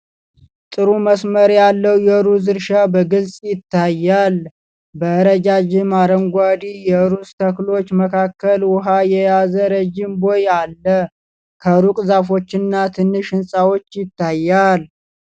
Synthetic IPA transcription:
t̪ʼɨɾuməsməɾjalːəwjɛɾuzɨɾʃabəɡɨlsʼjɪt̪ːajːal | bəɨɾəd͡ʒad͡ʒɪmaɾəŋɡʷad̪ijɛɾust̪ʰəklo̞t͡ʃːməkʰakːəlwʊɦajɛjazəɾəd͡ʒɪmbo̞jalːə | kʰəɾukʼzafo̞t͡ʃːɪnːat̪ʰɨnːɨʃɨnsʼawo̞t͡ʃːjɪt̪ʰːajːal

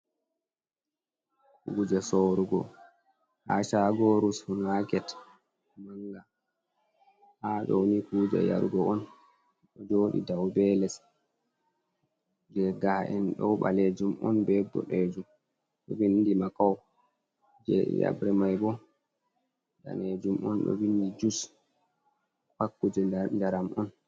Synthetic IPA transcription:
kuːd͡ʒɛsoːɾuɡɔ | haʃaɡɔɾushunakɛt | maŋɡa | haɗɔwnikuːd͡ʒa̰ja̰ɾuɡɔɔn | ɗɔd͡ʒoːɗḭdawbɛlɛs | d͡ʒɛɡaʔɛnɗɔwɓaled͡ʒumʔɔnbɛbːɔ̰ɗed͡ʒum | ɗɔwindimakaw | d͡ʒɛ̰ja̰bɾɛmajbɔ | da̰ned͡ʒumʔɔ̰nɗɔ̰windid͡ʒus | pakːud͡ʒɛndaɾamɔn

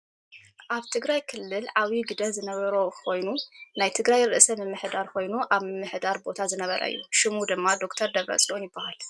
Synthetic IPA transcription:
ʔaβt̪ʰɨɡɾajkʰɨlːɨlʕawiɡɨd̪ɐnzɨnɐβɐɾokʰo̞jnunajt̪ʰɨɡɾajɾɨʔsɐmɨmːɨħd̪aɾko̞jnuʔaβmɨmːɨħd̪aɾbo̞t̪ʰazɨnɐβɐɾɐ̰ɨ̰jːuʃɨmud̪ɨmːad̪o̞kt̪ʰɐɾd̪ɐβɾɐ̰sʼlʔonjɪbːahal

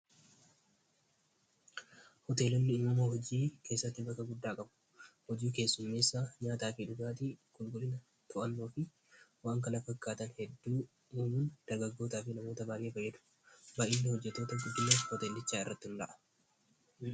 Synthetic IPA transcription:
hɔt̪e̞ːlɔnːɪuːmoɦɔd͡ʒiːkʰe̞ːsːɐt̪ːɪbɐkːɐɡʊd̪ːaːkʼɐbʊ̥ | hɔd͡ʒiːke̞ːsːʊmːeːsːaːɲaːt̪aːfɪᶑʊɡaːt̪ɪkʊlɡʊlɪnɐ | t̪ʊʔɐnːoːfɪ | waːŋkɐnɐfɐkːaːt̪ɐnhɛd̪ːuː | uːmund̪̥ɐɾɡɐɡːo̞ːt̪aːfɪnɐmo̞ːt̪ɐbaːʔeːfɐjːɛd̪ʊ̥ | bɐʔɪnːɐhɔd͡ʒːɛt̪ːo̞ːt̪ɐɡʊd̪ːʊmːɐhɔt̪eːlːɪt͡ʃːaːɪrːɐt̪ːɪʊnd̪ɐ̰ʔɐ̥

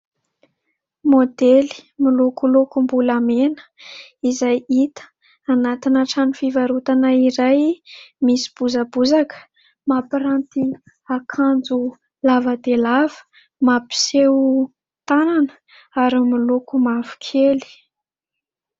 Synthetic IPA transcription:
mod̪eli̥milukulukumbulamenə̥izajit̪ə̥ | anat̪inaʈ͡ʂanifivaɾut̪anəiɾajmisi̥b̥uzabuzakə̥ | mapiɾant̪i | akʰand͡zu | lavəd̪elavə̥ | mapi̥sew | t̪ananə̥ | aɾimilukumavu̥kʰeli̥

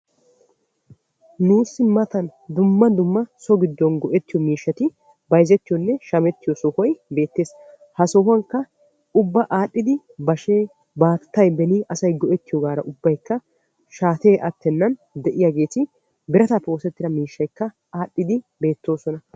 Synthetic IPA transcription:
nuːsːɪmɐt̪ɐnd̪ʊmːɐd̪ʊmːɐsɔɡɪd̪ːɔnɡɔʔɛt̪ːɪjɔmiːʃːɐt̪ɪ | bɐjzɛt̪ːɪjɔnːɛʃɐmɛt̪ːɪjɔsɔhɔjbe̞ːt̪ːe̞ːs | hɐsɔhʊɐŋkːɐ | ʊbːɐʔaːɗːɪd̪ɪ | bɐʃe | baːt̪t̪ːɐjbɛniʔɐsɐjɡɔʔɛt̪ːɪjɔɡaːɾɐʔʊbːɐjkːɐ | ʃaːt̪eːʔɐt̪ːɛnːɐnd̪ɛʔɪjaɡe̞ːt̪ɪ | bɪɾɐt̪apːɛoːsɛt̪ːɪd̪ɐmiːʃːɐjkːɐ | aːɗːɪd̪ɪ | be̞ːt̪ːo̞ːsɔnɐ

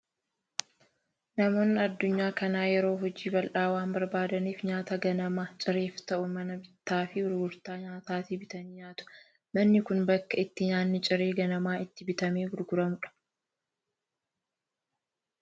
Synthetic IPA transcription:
nɐmo̞ːnːɪɐd̪ːʊɲːaːkɐnaːjɛɾo̞ːɦɔd͡ʒiːbɐlʔaːwaːnmbɐɾbaːd̪ɐniːfɲaːt̪ɐɡɐnɐmaːt͡ʃʼɪɾe̞ːft̪ɐʔʊmɐnɐbɪt̪ːaːfɪhʊɾɡʊɾt̪aːɲaːt̪aːt̪ibɪt̪ɐnɪɲaːt̪ʊ̥ | mɐnːɪkʊnbɐkːɐɪt̪ːɪɲaːnːɪt͡ʃʼɪɾe̞ːɡɐnɐmaːɪt̪ːɪbɪt̪ɐmeːhʊɾɡʊɾɐmʊᶑɐ̥

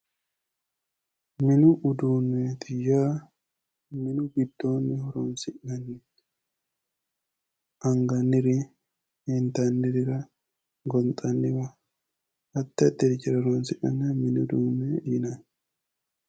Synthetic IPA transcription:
mɪnʊʔʊd̪uːnːeːt̪ʰɪjaː | mɪnʊɡɪd̪ːo̞ːnːɪhɔɾoːnsɪʔɡɐnːɪ | ʔɐŋɡɐnːɪɾɪ | ɛnt̪anːɪɾɪɾɐ | ɡɔnt̪ʼɐnːɪwɐ | ʔɐt̪ːɐt̪ːɛɾɪt͡ʃɪɾɐɾoːnsɪʔɐ̰nːɐmɪnʊd̪uːnːejɪnan

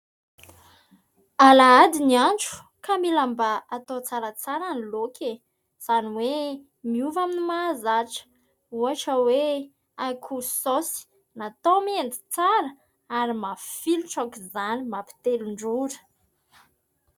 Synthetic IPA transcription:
alaad̪inianʈ͡ʂu̥ | kamilambaat̪ot͡saɾat͡saɾanilokʰʲe | z̥aniwe | miuvaminimazaʈ͡ʂə̥ | uaʈ͡ʂəwe | akʰusosi̥ | nat̪omend̪i̥t͡saɾə | aɾimafiluʈ͡ʂakizanimapi̥t̪eluɳɖ͡ʐuɾə̥

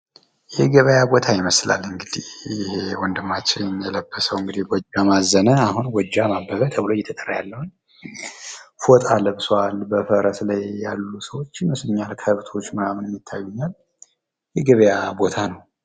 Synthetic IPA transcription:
jɛɡəβəjabo̞t̪ʰajɪməsla̰lːɨŋɡɨd̪ihɪhewɔnd̪ɨmːat͡ʃːɪɲjɛləbːəsəwɨŋɡɨd̪iwɔd͡ʒamazːənəaɦunwɔd͡ʒːamabːəβət̪ʰəβlo̞jːɛt̪ʰət̪ʼərjalːəhun | fot̪ʼalɨβsoalbəfəɾəslajːalːusəwo̞t͡ʃːɪnmɨslɨɲːalkʰəβt̪ʰo̞t͡ʃːməɾamɨnmjɪt̪ʰːajːuɲːal | jɛɡəβəjabo̞t̪ʰanəw

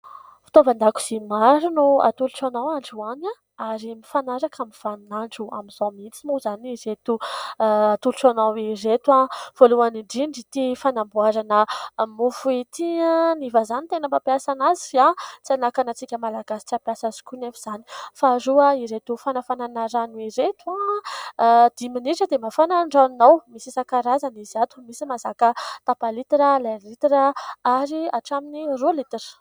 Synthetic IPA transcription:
fi̥t̪ovand̪aku̥z̥imaɾunua̰t̪uluʈ͡ʂanawaɳɖ͡ʐuana | aɾimifanaɾakamiv̥aninaɳɖ͡ʐua̰miz̥amint͡simuzaniɾet̪u | at̪uluʈ͡ʂonawiret̪av̥oluaniɳɖ͡ʐiɳɖ͡ʐit̪ifanambuaɾanəmufuit̪ianivazanit̪enəmbapjiasanazifiat͡sianakanat͡sikʲəmalaɡasi̥t͡siapjasazi̥kunefiz̥ani̥faɾuaiɾet̪ufanafananaɾanuiɾet̪ua | d̪̥iminiʈ͡ʂəd̪emafanaɳɖ͡ʐannawmisisakaɾazaniziat̪umisimazakət̪apalit̪iɾəleɾlit̪iɾəaɾiaʈ͡ʂaminirolit̪erə̥

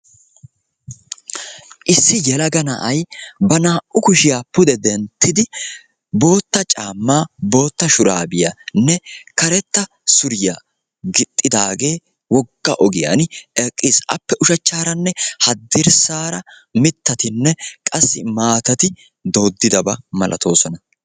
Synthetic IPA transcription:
ʔɪsːɪjɛlɐɡɐnɐ̰ʔɐjbɐnaːʔʔʊkʊʃɪjaːpʊd̪ɛd̪ɛnt̪ːɪd̪ɪ | bo̞ːt̪ːɐt͡ʃʼaːmːaːbo̞ːt̪ːɐʃʊɾaːbɪjanːɛkɐɾɛt̪ːɐ | sʊɾɪja̰ | ɡɪt̪ʼːɪd̪aːɡe̞ː | wɔɡːa̰ʔɔɡɪja̰nɛkʼːiːsʔɐ̰pːɛʔʊʃɐt͡ʃːaːɾɐnːɛhɐd̪ːɪɾsaːɾɐ | mɪt̪ːɐt̪ɪnːɛkʼɐsːɪmaːt̪ɐt̪ɪ | d̪oːd̪ːɪd̪ɐbɐmɐlʔɐ̰t̪ʰo̞ːsɔnɐ

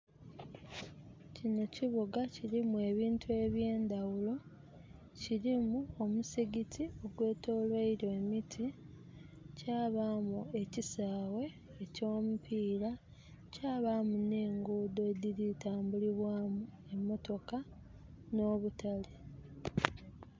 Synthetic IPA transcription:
cino̞ciβuɡaciɾimue̞βiːntue̞βje̞ːndawulo̞ | ciɾimuo̞musiɡitʰio̞ɡwe̞ːto̞ːlweiɾoemitʰi | caːβamue̞cisaːwe̞ː | co̞ːmupʰiːɾa | caːβamune̞ːŋɡuːdo̞diɾitaːmbuliβwaːmu | e̞mːo̞to̞ka | no̞ːβutale

